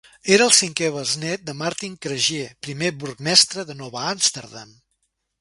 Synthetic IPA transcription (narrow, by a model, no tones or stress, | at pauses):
eɾəlˠsiŋkɛβəznɛt̪̚d̪əmaɾt̪iŋkɾəʒepɾimeβuɾk̚mɛst̪ɾəðənɔβəamst̪əɾða̰m